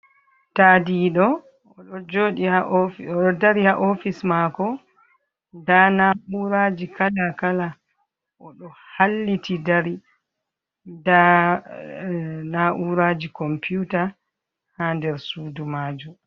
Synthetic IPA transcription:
tadiɗɔ | ɔɗɔd͡ʒoːɗiaɔɗɔdaɾihaʔofismakɔ | ndanaʔuɾad͡ʒikʰalakala | ʔɔɗɔhalːitidaɾi | nda | naʔuɾad͡ʒikɔmpiuta | handɛɾsuːdumaːd͡ʒu

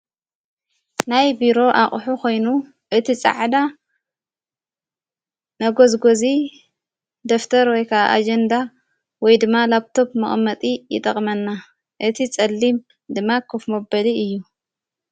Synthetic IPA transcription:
najbiɾo̞ʔaχʼħukʰo̞jnu | ʔɨt̪ʰit͡sʼa̰ʕd̪a | nɐɡo̞zɡozi | d̪oft̪ʰɐɾwɔjkʰaʔa̰ʔa̰d͡ʒɐnd̪a | wɔjd̪ɨmːalaβt̪ʰo̞pmɨχʼmːɐt̪ʼijɪ̰t̪ʼɐχʼmɐnːa | ʔɨt̪ʰit͡sʼɐlːim | d̪ɨmːakʰofmɐbɐliɨjːu

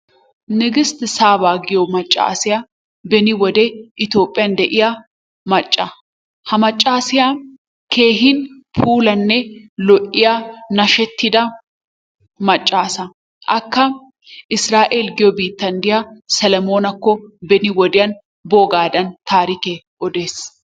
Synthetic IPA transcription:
nɪɡɪst̪ɪsaːbaːɡɪjɔmɐt͡ʃʼːa̰ːsɪja | bɛnɪwɔd̪ɛʔɪt̪jo̞ːpʼːɪjɐnd̪ɛʔɪja | mɐt͡ʃʼːɐ | hɐmɐt͡ʃʼːaːsɪja | ke̞ːɦɪn | pʰuːlɐnːɛlɔʔɪjanɐʃɛt̪ːɪd̪ɐ | mɐt͡ʃʼːaːsɐ | ʔɐkːɐ | ʔɪsɾaːʔeːlɡɪjɔbiːt̪ːɐnd̪ɪjasɐlɐmo̞ːnɐkːɔbɛnɪwɔd̪ɪjɐn | boːɡaːd̪ɐnt̪aːɾike | ɔd̪e̞ːs

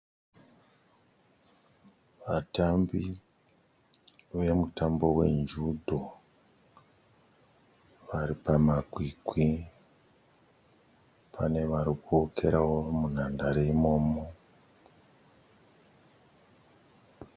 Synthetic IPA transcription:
ʋatambi | ʋe̞mutambo̞we̞̰nd͡ʒudʱo | ʋaɾipamaɡʱwikwi | pʰane̞ʋaɾikuokʰe̞ɾawomun̤andaɾeimo̞ːmo

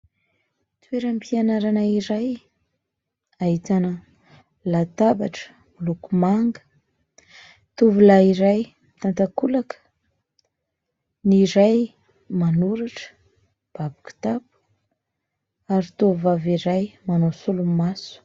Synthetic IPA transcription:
t̪weɾəmpianaɾanaiɾaj | ait̪anə | lat̪abaʈ͡ʂə̥ | lukumaŋɡə̥ | t̪uvulaiɾaj | t̪ant̪akulakə̥ | niɾaj | manuɾaʈ͡ʂə̥ | b̥abuku̥t̪apu̥ | aɾit̪uvvaviɾajmanosulumasu̥

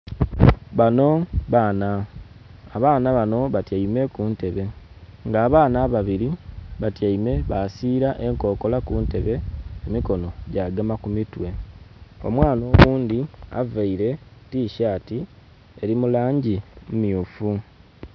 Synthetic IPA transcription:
βano̞βanaː | βaːnaβano̞βatjaime̞kuːnte̞βe̞ | ŋɡaːβaːnaβaβiɾiβatjajime̞βasiːɾaʔe̞ŋko̞ːko̞lakuːnte̞βe̞ːmiko̞no̞ɟaːɡamakumitwe̞ | o̞̰mwaːno̞ːβuːnd̪ia̰vaiɾe̞tiːʃaːti | e̞ɾimulaːɲɟimumjuːfu

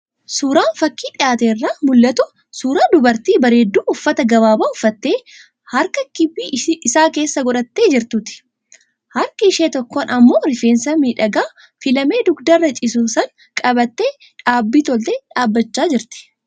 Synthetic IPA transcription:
suːɾaːnfɐkːiːᶑ̪ʼɪjaːt̪eːrːaːmʊlːɐt̪ʊ | suːɾaːd̪ʊbɐɾt̪iːbɐɾe̞ːd̪ːuːʊfːɐt̪ɐɡɐβaːbaːʊfːɐt̪ːe̞ː | hɐɾkɐkɪbːiːʔɪsaːke̞ːsːɐɡɔᶑɐt̪ːe̞ːd͡ʒɪɾt̪ʊt̪ɪ̥ | hɐɾkɐɪʃeːt̪ɔkːɔnɐmːoːɾɪfeːnsɐmiːᶑɐɡaː | fɪlɐme̞ːd̪ʊɡd̪ɐrːɐt͡ʃʼɪs̬uːsɐŋ | kʼɐbɐt̪ːeː | ᶑaːbːiːt̪ɔlt̪eːᶑaːbːɐt͡ʃːaːd͡ʒɪɾt̪ɪ̥

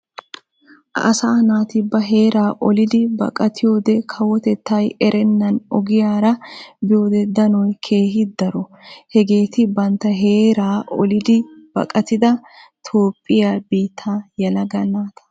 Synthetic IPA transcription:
ʔɐ̰ʔːsaːnaːt̪ɪbːɐɦe̞ːɾaːʔɔlɪd̪ɪbɐ̰kʼɐt̪ʰɪjo̞ːd̪ɛkʰɐwɔt̪ɛt̪ːɐjɛɾʔɛnːɐnɔ̰ɡɪjaːɾɐbɪjo̞ːd̪ɛd̪ɐnɔjkʰe̞ːɦɪd̪ɐɾɔhɛɡe̞ːt̪ɪbɐnt̪ːɐɦe̞ːɾaːʔɔ̰lɪd̪ɪb̥ɐ̰kʼɐt̪ɪd̪ɐt̪ʰo̞ːpʼːɪjaːbiːt̪ʰːaːjɐlɐɡɐnaːt̪ʰɐ̥

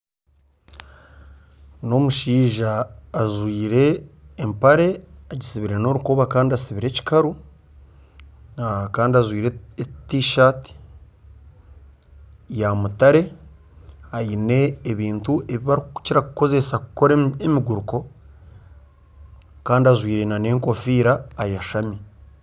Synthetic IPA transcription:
no̞muʃiːʒaːʒwiːɾe̞ːmpaɾe̞aɟisiβiɾe̞no̞ɾukoːβakaːndiasiβiɾe̞ci̥kaɾu | kaːndiazwiːɾetiʃaːti̥ | jamutaɾe̞ | aine̞ːβiːntuʔe̞βiβaɾiciɾakuko̞ze̞sakuko̞ɾeemiɡuɾuko̞ | kaːndiazwiːɾe̞nane̞ːŋko̞fiːɾaːjaʃami

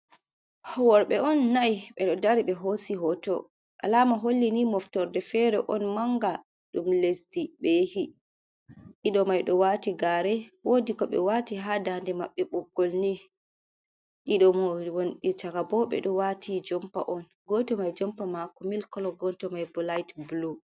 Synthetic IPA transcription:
hɔwɔɾɓɛɔnːajɓɛɗɔdaɾiɓɛɦosiɦɔtɔ̰ | ʔa̰laːmaɦolːinimɔftɔɾdɛfɛɾɛʔɔnmaŋɡa | ɗumlesdiɓehi | ɗiɗɔmajɗɔwaːtiɡaɾɛwodikɔɓɛ̰watiɦadandɛmaɓːɛɓɔɡːɔlni | ʔiɗɔmowonɗit͡ʃakabɔɓɛ̰ɗɔwatʰid͡ʒɔmpa̰ʔɔn | ɡɔtɔmajd͡ʒɔmpamakɔmilkɔlɔɡɔntɔmajbɔlajtbulu

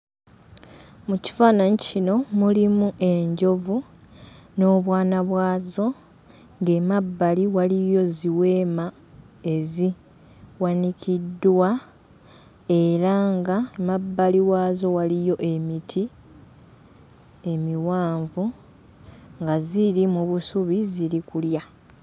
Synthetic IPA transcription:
muci̥faːnaɲicino̞mulimuʔe̞ɲɟo̞vu | no̞ːβwaːnaβwaːzo̞ | ŋɡe̞ːmabːaliwalijo̞ziwe̞ːma | e̞zi | wanicʰidːwa | e̞ɾaŋɡaemabːaliwaːzo̞walijo̞ʔe̞mitʰi | emiwaːɱvu | ŋɡaziɾimuβusuβiziɾikulja

